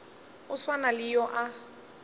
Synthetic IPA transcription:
ʊswanalɪjɔʔa

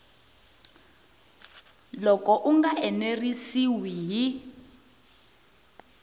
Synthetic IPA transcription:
lɔkɔʔuŋɡaʔɛnerisiwiji

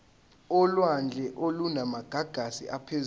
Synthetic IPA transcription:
ɔlwand͡ɮʱɛʔolunamaɡ̥ʱaɡ̥ʱasḭʔapʰez

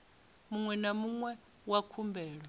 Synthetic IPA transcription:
muŋwɛnamuŋwɛ | wakʰumbɛːɺwɔ

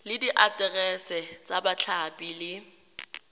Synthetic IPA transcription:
lɪdiʔatʼɛrɛsɛt͡sʼabat͡ɬʰapʼilɪ

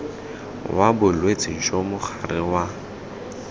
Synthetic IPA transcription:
wabʊlwet͡sʼɪt͡ʃʼomʊχʰarɪwa

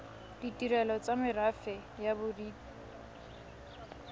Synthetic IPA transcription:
d̥itʼiɾɛlɔt͡samɪrafɛ | jabʊriːpi̥

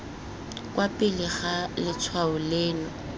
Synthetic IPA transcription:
kʼwapʼɪlɪɣalɪt͡sʰwaʊleːnɔ

